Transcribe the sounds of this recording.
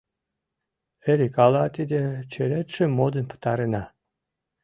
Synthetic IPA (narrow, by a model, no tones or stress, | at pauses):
eɾʲikɑlɑt̪id̪ʲet͡ɕeɾet̪ʃĕmod̪ə̆npə̥t̪ɑɾenɑ